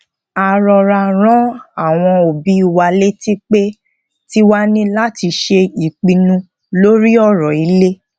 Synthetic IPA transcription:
a˨ɾɔ˧ɾa˧ɾ̃ã˦a˦˨w̃ɔ̃˧o˨bi˨˦i˦˨wa˧˨le˦ti˦k͡pe˦ | ti˦wa˦nĩ˦la˦ti˧ʃe˧i˨k͡pĩ˨˧nũ˧ | lo˦ɾi˦ɔ˦˨ɾɔ˨i˨˦le˦

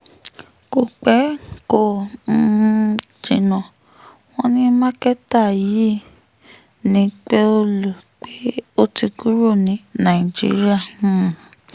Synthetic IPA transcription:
ko˨k͡pɛ˨˦ko˦˨n̩˧˦d͡ʒḭ̃˨nã˨ | w̃ɔ̃˦nĩ˦mã˦kɛ˦ta˦˨ji˨˦ | nĩ˨˦k͡pe˦o˦lu˦˨k͡pe˦o˦ti˧ku˦ɾo˦˨nĩ˨˦nã˨i˨d͡ʒḭ˨˦ɾi˦a˦˨˦

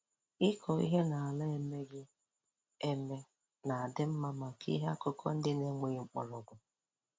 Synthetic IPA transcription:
ɪ˦kʰɔ˨ḭ˦ɦe˦na˨a˨la˦e˦me˦ɡɪ˦ | e˦me˦ | na˨a˨dɪ˦m̩˦ma˦ma˨kʰḭ˦ɦe˦a˦kʊ˦kʰɔ̰˦n̩˦dɪ˦ne˦ŋe˨ŋ͡m̩˨k͡pʊ̰˨lʊ˨ɡʷʊ˨

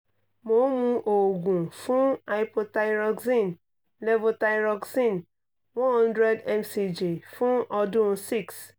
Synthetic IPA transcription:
mo˨˦mũ˦ʔo˨ɡũ˨fũ˦a˨jpo˧ta˦jɾɔ˧ɡsĩ˦˨n | lɛ˦vo˧ta˦ɾɔ˧ksĩ˦˨n | wɔ̃˦hɔ̃˦ndɾɛ˦dɛ˨msi˨d͡ʒi˨fũ˦ɔ˧dũ˦si˦˨ks

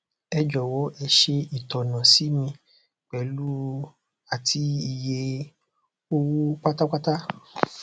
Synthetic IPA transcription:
ɛ˧d͡ʒɔ˨wɔ˨˦ʔɛ˧ʃe˧i˨tɔ˨nã˨si˨˦mĩ˧ | k͡pɛ˨˦lu˦ | a˨tʰi˨˦i˨je˧ | o˦wo˦k͡pa˦ta˦k͡pa˦ta˦

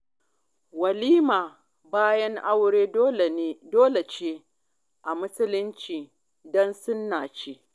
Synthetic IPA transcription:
wɐ˨liː˦maː˨ | baː˦jɐ˦ŋʔa˦wɽeː˦doː˦le˨t͡ʃeː˦ | ʔa˨mʊ˦sʊ˦lɪ˦nt͡ʃiː˨ | dɔ˦nsʊ˦nːaː˨t͡ʃe˦ʔ

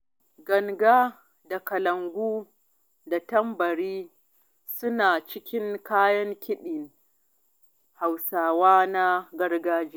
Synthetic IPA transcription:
ɡɐ˨ŋɡaː˦ | da˨kɐ˨lɐ˨ŋɡʷuː˦ | da˨tɐ˦mbɐ˨ɽiː˦ | sʊ˦naː˨t͡ʃɪ˦kʲɪ˦ŋkaː˦jɐ˦ŋkʲɪ˦ɗɪ˨ŋ | ha˨wsaː˨waː˦na˦ɡɐ˦rɡaː˦d͡ʒiː˦

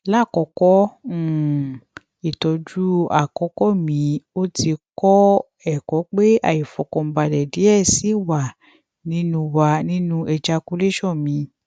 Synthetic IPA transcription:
la˦˨kɔ˧kɔ˦˨ | i˨tɔ˧d͡ʒu˦a˨kɔ˨˧˦kɔ˦mĩ˨˧˦o˦ti˧kɔ˦ | ɛ˨kɔ˨˦k͡pe˦a̰˦˨i˨fɔ˨kɔ̃˧m̩˧˦ba˧dɛ˨di˨˦ɛ˦˨si˨˦wa˨ | nĩ˦nũ˧wa˧nĩ˦nũ˦ʔɛ˧d͡ʒa˧ku˨˦le˦ʃɔ˦˨mĩ˧

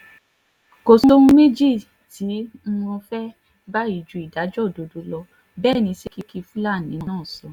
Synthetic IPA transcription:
ko˨so˦ũ˦me˦d͡ʒi˦˨ | tĩ˨˦wɔ̃˧fɛ˦ | ba˦i˦˨d͡ʒu˨˧˦i˨da˨˦d͡ʒɔ˦˨do˨˧do˧˦lɔ˧ | bɛː˦˨nĩ˧si˦ki˦ki˧fũ˦la˦˨nĩ˨˦˧ãː˦˨sɔ˧˦

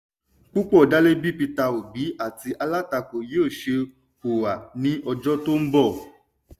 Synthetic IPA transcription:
k͡pu˦k͡pɔ˦˨da˦le˦bi˦pi˧ta˧o˨bi˨˦a˦˨ti˧ʔa˧la˦ta˧ko˨je˨˦o˦˨ʃe˧ | o˨wa˨nĩ˦ʔɔ˧d͡ʒɔ˦to˦m̩˦bɔ˦˨

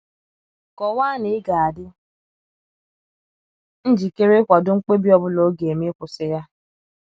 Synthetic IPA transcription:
kɔ˨wʷaː˦nɪ˨ɪ˦ɡa˨a˨dɪ˦ | n̩˦d͡ʒi˨ke˦ɾe˦kʷa˨dʊ˦ŋ͡m̩˦k͡pe˦bi˦ɔ˨bʊ˦lo˨˦ɡe˨mi˦kʷʊ˨sɪ˦ja˦

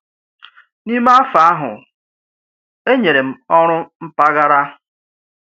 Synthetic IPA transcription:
ni˦me˦a˦fa˨a˦ɦʊ̰˨ | e˦ɲe˨ɾe˨m̩˨ɔ˦ɾʊ˦m̩˦pa˦ɣa˦ɾa˦

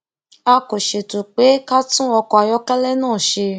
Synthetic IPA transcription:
a˧ko˨ʃe˨tu˨k͡pe˨˦ka˦tũ˦ɔ˧kɔ˧a˧jɔ˦kɛ˦lɛ˦nãː˦˨ʃe˧

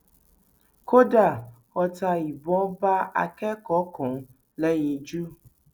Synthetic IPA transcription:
ko˦da˦˨ | xɔ˨ta˨ji˨bɔ˦ba˦a̰˨kɛ˦kɔ˦kʰɔ̃˨ | lɛ˦ɲĩ˨d͡ʒu˦

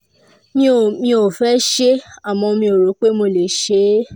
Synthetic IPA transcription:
mĩ˦o˨mĩ˧o˨fɛ˦ʃe˦a˦˨mɔ̃˧o˧mĩ˧o˨ɾo˨˦k͡pe˦mo˧˨le˨ʃe˨˦

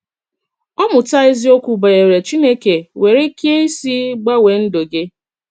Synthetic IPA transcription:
ɔ˦mʊ˨ta˦ɪ˦zi˦o˦kʷu˨ba˨e˨ɾe˨t͡ʃi˦ne˦ke˨we˨ɾe˦ke˦i˦si˦ɡ͡ba˦we˨n̩˦do˨ɡɪ˦

